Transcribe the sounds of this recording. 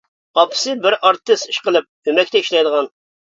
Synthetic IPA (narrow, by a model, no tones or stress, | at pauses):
ɑpʰɨ̥sɨbɪɾɑɾt̪ːɨst̪iʃqəlˠɨp̚ymɛkʲt̪ɛiʃlˠɑjd̪əʁɑn